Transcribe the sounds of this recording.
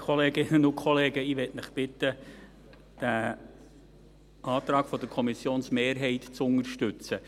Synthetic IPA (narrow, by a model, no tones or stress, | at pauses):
kʰχɔleːɡɪnənʊkχɔleːɡəɪʋɛtnɪχb̥ɪtə | d̥æ | ʔɑːt̪ɾɑːɡ̥fɔd̥̪əɾkʰɔmisjoːnsmeːɾɦɛɪtt͡sʊŋəɾʃtʏt͡sə